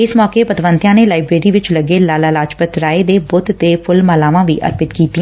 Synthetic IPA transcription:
ɪsmɔːkeːpət̪ʋənt̪jãːneːlaːɪbɾeːɾiːʋɪt͡ʃləɡeːlaːlaːlaːt͡ʃpət̪ɾaːeːd̪eːbʊt̪t̪eːpʰʊlmaːlaːʋãːʋḭːʔə̰ɾpɪt̪kiːt̪iɛ̃ː

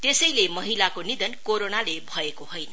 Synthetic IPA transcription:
t̪esʌjlemʌɦilakonid̪ʌnkoɾonalebʱʌekoɦojnʌ

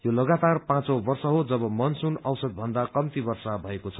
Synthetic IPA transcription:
jolʌɡat̪arpãt͡sobʌrsʌɦod͡zʌbʌmʌnsunʌwsʌd̪̚bʱʌnd̪akʌmt̪ibʌrsabʱʌekot͡sʰʌ̥

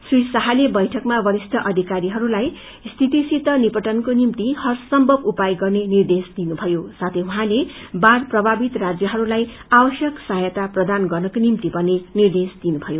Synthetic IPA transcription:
srisʌɦalebʌjʈʰʌkmabʌɾisʈʰʌʔʌd̪ʱikaɾiɦʌɾulaj | st̪ʰit̪isit̪ːʌnipʌʈʌnkonimt̪ihʌrsʌmbʱʌbupajɡʌrnenird̪esd̪inubʱʌjosat̪ʰejũɦãlebarprʌbʱabit̪rad͡zjʌɦʌɾulaj | abʌsjʌksajʌt̪aprʌd̪anɡʌrnʌkonimt̪ipʌnenird̪esd̪̥inubʱʌjo

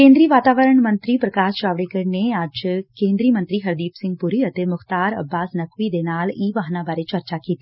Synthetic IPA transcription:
kẽːnd̪ɾiːʋaːt̪aːʋəɾəɳ̃mɐ̃nt̪ɾiːpɾɐkaːst͡ʃaːʋɽekəɾneaːd͡ʒkẽːnd̪ɾiːmɐ̃nt̪ɾiɦɐɾd̪iːpsɪ̃ŋɡ̚pʊɾiɐt̪emʊxt̪aːɾɐ̰bːaːsnɐkʰʋid̪eːnaːliːʋaːɦnãbaːɾet͡ʃɐɾt͡ʃakiːt̪iː

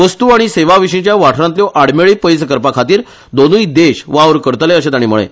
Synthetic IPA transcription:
ʋəst̪uaɽ̃iseʋaʋiɕĩt͡ɕjaʋaʈʰɾant̪ljɔʔaɽmeɭiːpəjskəɾpakʰat̪iːɾ | d̪onuid̪eɕʋaʋɾkəɾt̪leəɕet̪aɽ̃iːm̤əɭḛ

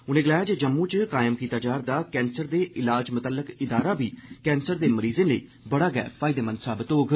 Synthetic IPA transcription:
ʊnẽːɡəlaːjaːd͡ʒeːd͡ʒəmːũːt͡ʃkaːjɪmkiːt̪aːd͡ʒaːɾd̪aːkɛ̃ːnsəɾd̪eːʔɪlaːd͡ʒmʊt̪əlːəkɪd̪aːɾaːbiːkɛːnsəɾd̪eːməɾiːzẽːləḭː | bəɽaːɡɛ̰ːpʰaːɪd̪eːmə̃nsaːbɪt̪oːɡ

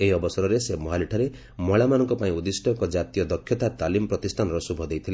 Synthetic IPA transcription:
eɦiɔbɔsɔɾɔɾesemɔɦaliʈʰaɾe | mɔɭamanɔŋkɔpaĩud̪isʈʰɔkɔd͡ʒat̪ijɔd̪ɔkʰːjɔt̪at̪alimɔpɾɔt̪ist̪ʰanɔɾɔsubʱɔd̪ejt̪ʰile

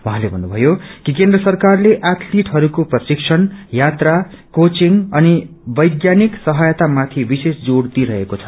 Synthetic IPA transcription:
wʌ̃ɦãlebʱʌnːubʱʌjokikend̪rʌsʌrkarleʔaʈʰliʈɦʌɾukoprʌsiksʰʌnjat̪rakot͡siŋʌni | bʌjɡjaniksʌɦʌjʌt̪amat̪ʰibisesd͡zoɽd̪iɾʌɦekot͡sʰʌ̥

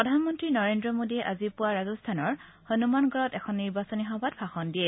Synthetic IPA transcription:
ɹɔdʱanmɔntɹinɔɹendɹɔmodiɛʔazipʊwaɹazɔstʰanɔɹ | honumanɡʱɔɹɔtɛkʰɔnːiɹbasɔniɦɔbatfʰaxɔndiɛ

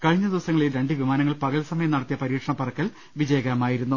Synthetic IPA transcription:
kɐɻiɲːɐd̪iʋɐsɐŋːɐɭeɾeɳɖɨʋimaːnɐŋːɐɭpɐɣɐlsɐmɐjɐmnɐɽɐt̪ːijɐpɐɾiːʈʂɐɳɐpɐrɐkːɐl | ʋid͡ʑɐjɐɣɐɾɐmaːjiɾunːu

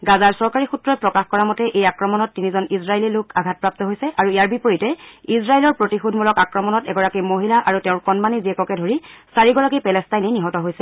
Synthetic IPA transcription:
ɡazaɹsɔɹkaɹixutɹɔjpɹɔkaxkɔɹamɔtɛʔejakɹɔmɔnɔtːinizɔnisɹaelilokʰaɡʱat̚pɹap̚tɔɦojsɛʔaɹuijaɹbipoɹitɛisɹaelɔɹpɹotixudʱmulɔkakɹɔmɔnɔtɛɡɔɹakimoɦilaʔaɹutɛʊ̃nkɔnmaniziɛkɔkɛdʱoɹisaɹiɡɔɹakipɛlɛstajniniɦɔtɔɦojsɛ

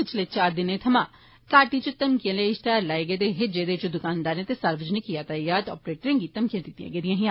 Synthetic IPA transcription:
ɪt͡ʃʰleːt͡ʃaːɾd̪ɪnẽːt̪ʰəmãː | kaːʈiːt͡ʃət̪əmkijãːleɪst̪aːɾlaːeːɡeːt̪eːɦed͡ʒeːd̪eːt͡ʃd̪ʊkaːnd̪aːɾneːt̪eːsəɾʋəd͡ʒneːkijaːt̪aːjaːt̪ɔ̰ːpɾeːʈɾẽːɡiːt̪əmkijãːd̪ɪt̪ːijã̰ːɡeːd̪ijãːɦiã

